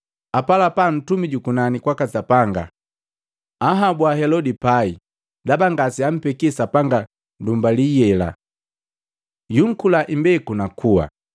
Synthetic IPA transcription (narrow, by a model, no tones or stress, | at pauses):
apalapan̩tumiɟukunanikwakasapaŋɡa̰ | aɦabwaɦɛlɔdipai | dabaŋɡasiam̩pɛkisapaŋɡa | ndumbalijɛla̰ | juŋ̩kulaʔimbɛkunakʰuwa̰